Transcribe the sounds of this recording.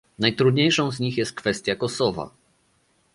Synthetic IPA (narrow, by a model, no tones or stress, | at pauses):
najt̪ɾud̪ɲejʂɔ̃w̃zɲixjɛst̪̚kfɛst̪ʲjakɔsɔva̰